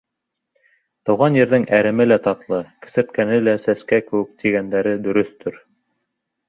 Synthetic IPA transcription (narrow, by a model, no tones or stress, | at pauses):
t̪ɤ̆wʁɑnjɘ̆ɾðɘŋʔæɾɘ̆mɘlæt̪ɑt̪lˠɤkɘ̥̆sɘ̆ɾt̪̚kænɘlæsæskækɘ̆wɘ̆k̚t̪ʰiɡænd̪æɾɘd̪ɵ̆ɾɵθt̪ʰɵɾ